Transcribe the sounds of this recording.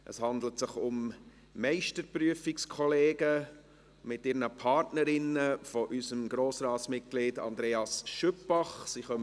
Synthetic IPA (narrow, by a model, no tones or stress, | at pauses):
ʔəshɑndlətsɪχʊm | mɛɪʃtəɾpryəfɪkskʰɔleːɡə | mɪtɪːɾnəpʰɑɾtnəɾɪnəfɔʔysəmɡɾoːsɾɑːtsmɪt̚ɡ̥lɪdɑ̰ndɾeːɑsʃʏpːɑχsiχœmə